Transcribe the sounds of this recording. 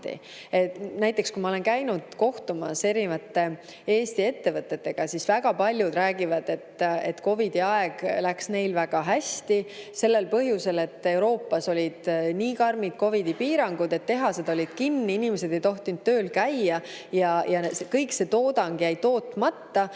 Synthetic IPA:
tt̪ḭ | enæjt̪ˑːe̞kskumɑo̞le̞nkæjnud̪̥ko̞ht̪umɑ̰se̞ɾivɑt̪ːe̞ | e̞ːst̪ie̞t̪ːe̞vɤt̪ːˑe̞t̪ːe̞ɡ̥ɑsisvæɡɑpɑlʲjud̪̥ɾæːɡivɑd̪̥e̞t̪ːe̞t̪ko̞vid̪̥iɑeɡ̥læksne̞jlvæɡ̥ɑɦæst̪ise̞lːe̞lpɤɦjuse̞le̞t̪ːˑe̞wɾo̞ːpːˑɑso̞lʲid̪̥niːkɑrmid̪̥ko̞vid̪̥ipiːɾɑŋɡ̥ud̪e̞t̪ːe̞ɦɑsed̪ɑo̞lʲid̪̥kinːiinime̞se̞d̪̥e̞jt̪o̞ht̪ind̪̥̚t̪ːø̞ːlkæjːɑ | jɑjɑskɤjkse̞t̪o̞ːd̪ɑŋɡ̥jæjt̪o̞ːt̪ːˑmɑt̪ːɑ

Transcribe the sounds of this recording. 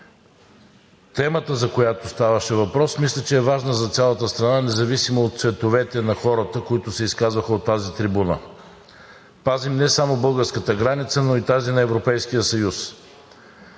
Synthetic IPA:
t̪ɛmət̪əzɐkojat̪ʊst̪avəʃɛvɐpɾɔsmislʲɛt͡ʃɛːvaʒnəzɐt̪sʲjalˠət̪əst̪ɾɐnanɛzɐvisimoot̪t̪svɛt̪ovɛt̪ɛnɐxɔɾət̪əkoit̪ʊsɛiskazvəxəot̪ːazit̪ɾibunə̰ | pazimnɛsamobɤlˠɡəɾskət̪əɡɾanit̪sənoit̪azinɐɛvɾopɛjsk̟ijəsɐjus

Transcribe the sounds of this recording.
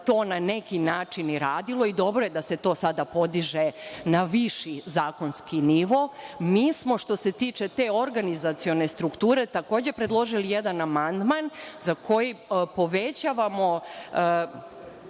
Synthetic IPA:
t̪oːnanekinaːt͡ʂiniɾaːd̪ilˠo̞id̪o̞bɾo̞jed̪ase̞t̪o̞ːsad̪apo̞d̪iʒenaʋiʃizaːko̞nskiniʋo̞miːsmo̞ʃt̪o̞se̞t̪iːt͡ʂe̞t̪e̞o̞ɾɡanizat̪sio̞ne̞st̪ɾukt̪uːɾe̞t̪ako̞ːd͡ʑe̞pɾed̪lˠo̞ʒilijed̪anamand̪manzakʰo̞jipo̞ʋet͡ɕaʋamo̞

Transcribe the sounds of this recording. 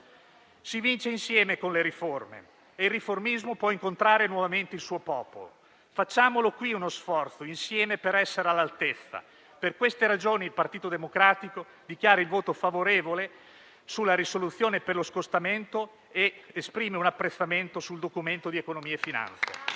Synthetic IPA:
sivint͡ʃeinsjɛːmekonleɾiformḛː | ilrːiformizmopwɔiŋkont̪ɾaːɾenwɔvament̪eilsuːopɔːpolo̰ | fat͡ʃːaːmolokwiunosfɔrt̪soinsjɛːmepeɾɛsːeɾalːalt̪et̪sːa̰ | perkwest̪eɾad͡ʒoːnilpart̪iːt̪od̪emokɾaːt̪iko | d̪ik̟jaːɾailvoːt̪ofavoɾeːvole | sulːaɾisolut̪sːjoːneperloskost̪ament̪o | eːspɾiːmeunapːɾet̪sːament̪osuld̪okument̪od̪iekonomiːeefːina̰nt̪sḛ

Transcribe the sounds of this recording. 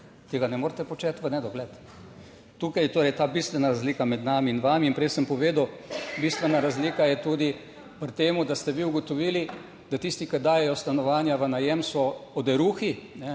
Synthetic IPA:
t̪eːɡanɛmoːɾt̪ɛpɔt͡ʃɛt̪ʋənɛd̪ɔɡlɛt̪ | t̪uːkajt̪oːɾɛjt̪aːbist̪ʋɛnaɾazliːkamɛd̪naːmiːnʋamiːnpɾɛjsəmpɔʋeːd̪ɐwbist̪ʋɛnaɾazliːkajɛt̪uːd̪i | pɾt̪eːmud̪ast̪ɛʋiuɡɔt̪ɔʋiːli | d̪̥at̪ist̪ikɐd̪aːjɛjɔst̪anɔʋaːnjaʋənajɛmsɔɔd̪ɛɾuːxinɛ

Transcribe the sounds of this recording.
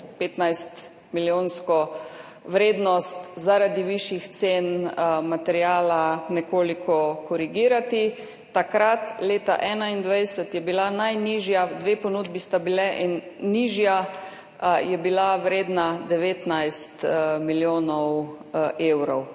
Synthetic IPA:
peːt̪najst̪ | miljoːnskɔ | ʋɾeːd̪nɔst̪zaɾad̪iʋiʃixt̪senmat̪ɛɾjaːlanɛkoːlikʰɔkɔɾiɡiːɾat̪i | t̪akɾat̪leːt̪a̰ʔɛːnaind̪ʋajsət̪jɛbilanajniʒjad̪ʋeːpɔnuːd̪bist̪abilɛʔinːiʒja | jɛbilaʋɾeːd̪nad̪ɛʋeːt̪najst̪miljoːnɔw | eːwɾɔw

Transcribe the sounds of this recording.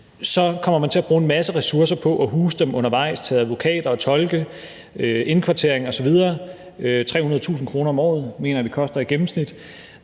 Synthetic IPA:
sɒ̽kʰɒ̽m̰ɐmænt͡sʰe̝læb̥ʁuːe̝nmæsəʁɛsuɐs̬ɐpʰɒ̽ʔɒɦuːsə̥d̥emʔɔ̽nɐʋɑ̈ɪ̰st͡sʰɛðæðˠʋo̝kʰɛ̰ːd̥ɐɒ̽t͡sʰɒ̽lɡ̥ə | øe̝nkʰʋɑ̈t͡sʰe̝ɐ̰eŋɒ̽sɒ̽ʋið̞ˠɐː | øt͡sʰʁɛ̰ːhunɐð̞̩ˠt͡sʰṵːsn̩kʰʁo̝ːnɐɒ̽mɒ̰ːð̞̩ˠme̝ːnɐd̥e̝kʰɒ̽sd̥ɐe̥ɡ̥em̩snid̥

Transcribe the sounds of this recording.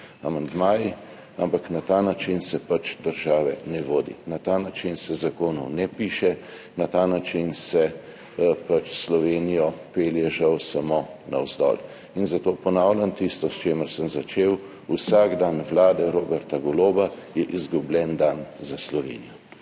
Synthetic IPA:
amand̪maːji | ampaknat̪anat͡ʃinsɛpat͡ʃd̪əɾʒaːʋɛnɛʋoːd̪ḭnat̪aːnat͡ʃinsɛzakoːnɔwnɛpiːʃɛ | nat̪aːnat͡ʃinsɛ | pat͡ʃslɔʋeːnijɔpeːljɛʒawsamona̰wzd̪ɔ̰l | inzat̪oːpɔnawlʲjant̪ist̪ɔst͡ʃeːməɾsəmzat͡ʃeːw | usaɡd̪anʋlaːd̪ɛɾoːbɛɾt̪aɡɔloːbajɛʔizɡublʲɛnd̪anzaslɔʋḛːnijɔ

